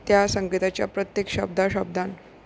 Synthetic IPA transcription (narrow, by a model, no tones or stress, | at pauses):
t̪jasəŋɡit̪at͡ɕja̰pɾət̪jekɕəb̚d̪ʱaɕəb̚d̪ʱan